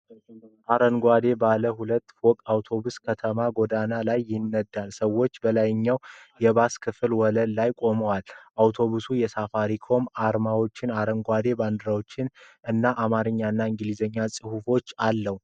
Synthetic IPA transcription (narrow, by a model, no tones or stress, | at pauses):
ʔaɾənɡʷad̪e̞baləhulət̪ːfokʼawt̪ʰo̞βuskʰət̪ʰəmaɡo̞d̪analajːɪnːəd̪ːalsəwːo̞t͡ʃːbəlajɪɲːawjɛβaskʰɨfɨlwɔləllajkʼo̞məwalʔawt̪ʰo̞βusujɛsafaɾikʰo̞maɾmawo̞t͡ʃːɪnaɾənɡʷwad̪e̞band̪ɨɾawot͡ʃːɪnɨnːaʔamaɾɨɲːaɨnːaɨŋɡɨlizəɲːasʼɨhufo̞t͡ʃːalːəhu